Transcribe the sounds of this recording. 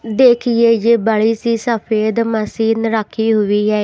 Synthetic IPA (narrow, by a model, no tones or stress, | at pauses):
d̪eːkʰɪjeːd͡ʒeːbəɭiːsiːsəpʰeːd̪məsiːnəɾaːkʰːiːɦʊiːɦɛː